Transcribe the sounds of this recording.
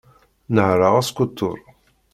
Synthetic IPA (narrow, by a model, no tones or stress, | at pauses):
nəʕɾˤaʁæskʊt̪ːʊ̰ɾˤ